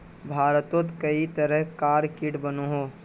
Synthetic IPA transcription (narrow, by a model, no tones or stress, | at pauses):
bʱaːɾət̪ot̪kəit̪əɾəɦkaːɾkɪʈbənoɦoː